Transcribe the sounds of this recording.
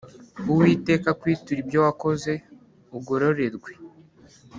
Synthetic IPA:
uwiːte̞ːkakwiːtuɾibjowako̞ze̞ | uɡo̞ɾo̞ɾe̞ɾɡwe

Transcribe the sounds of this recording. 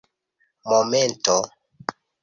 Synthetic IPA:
momento

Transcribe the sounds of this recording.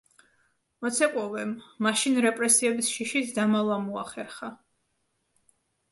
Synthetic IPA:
mɔt̪sʰɛkʼwɔvɛmːaʃinɾɛpʼɾɛsiɛbisʃiʃisd̪amalˠamua̰χɛɾχa

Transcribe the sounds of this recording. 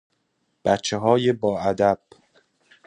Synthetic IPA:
b̥æt̪t͡ʃʰːeɦɒːjebɒːʔæd̪æb̥̚

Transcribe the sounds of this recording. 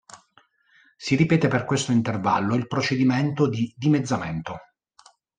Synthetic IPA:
siɾipɛːt̪eperkwest̪oint̪erva̰lːoilpɾot͡ʃed̪iment̪od̪id̪imed̪zːament̪o

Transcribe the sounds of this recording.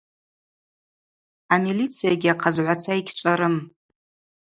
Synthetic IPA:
amilit͡sʰijaɡʲɪaqʰazʕʷat͡sʰaikʲʰʈ͡ʂʷʼaɾɨm

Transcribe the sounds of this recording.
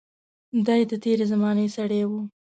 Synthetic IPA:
d̪ajd̪ət̪eɾezamɑnesaɽewu

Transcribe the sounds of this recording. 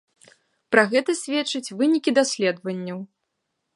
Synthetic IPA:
pɾaɣɛt̪ɐsʲvʲɛt͡ʂːɨt͡sʲvɨnʲikʲid̪asʲlʲɛd̪vɐnʲːɐw

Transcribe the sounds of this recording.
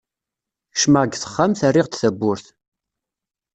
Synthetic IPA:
ʃmaɡθə̥χːamθərːɪʁt̪θæbːʊɾθ

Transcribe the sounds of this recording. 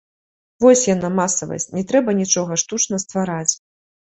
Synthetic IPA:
vɔsʲjanamasɐvɐ̰sʲt͡sʲnʲɛt̪ɾɛbɐnʲit͡ʂɔɣɐʂt̪ut͡ʂnɐst̪vaɾat͡sʲ

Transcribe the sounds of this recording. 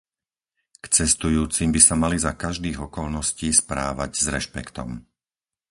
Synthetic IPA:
kt͡sɛst̪ujuːt͡simbisamalizakaʒd̪iːɣɔkɔlnɔsciːspɾa̰ːʋaɟzɾɛʃpɛ̰kt̪ɔ̰m

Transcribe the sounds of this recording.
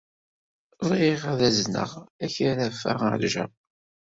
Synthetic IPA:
ðˤiʁæðæznə̰ʁæçaɾæfæ̰ʁ̰ʕ̰lʒæ̰

